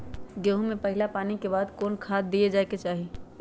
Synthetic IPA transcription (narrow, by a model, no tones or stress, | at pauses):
ɡeːɦũmẽpɐɦɪlapaːnikebaːd̪koːnkʰaːd̪̚ːied͡ʒaːeket͡ʃaːɦe